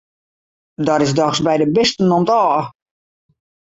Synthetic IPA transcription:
dɔɾɪsdɔxsbɛjdəbɪstənomtɔː

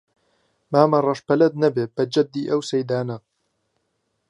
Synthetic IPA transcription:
maːmɐrˤɐʃpɐlɐd̪̚nɐbeːb̥ɐd͡ʒɐb̚d̪iːʔɐwsɐjd̪aːnɐ

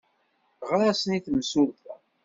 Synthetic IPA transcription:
ʁɾæsəniθmsuɾθæ

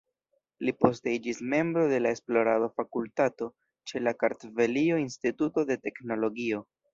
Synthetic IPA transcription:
lipo̞s̬te̞id͡ʒisme̞mbɾo̞de̞lae̞splo̞ɾadafakultato̞ | t͡ʃe̞lakaɾtve̞lio̞instituto̞de̞te̞kno̞lo̞ɡio̞

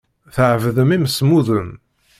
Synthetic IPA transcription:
θəʕvðəmimsmuðən

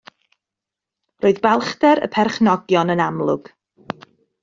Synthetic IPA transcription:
roːɨðbɛlˠχdɛɾə̰pʰɛrχnɔɡjɔnənamlˠʊɡ̥

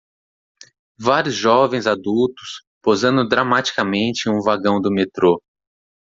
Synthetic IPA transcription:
vaɾjʊzʒɔvẽj̃zad̪ut̪ʊ̥s | pozɐ̃nd̪ʊd̪ɾamat͡ʃi̥kamẽnt͡ʃɪũvaɡɐ̃w̃d̪ʊmet̪ɾo

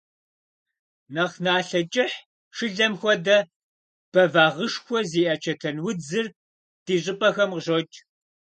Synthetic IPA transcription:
nɐχnaːɬɐt͡ʃʼɪħ | ʂɨɮɐmxʷɔdɐ | b̥ɐvaːʁəʂxʷɔziːʔɐt͡ʃʰɐtʰɐnwʊd͡zɨr | d̥iːɕ̬ʼɨpʼɐxɐmqʒot͡ʃʼ

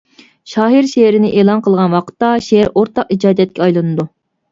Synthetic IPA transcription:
ʃɑːɦiɾʃeɾɪnɪʔeːlˠɑnqʰəlˠʁɑnwɑqʰə̥t̪ːɑʃeɾʔoɾt̪ʰːɑqid͡ʒɑːd̪jɛt̪̚kʲɛɑjlˠɨnɨd̪u

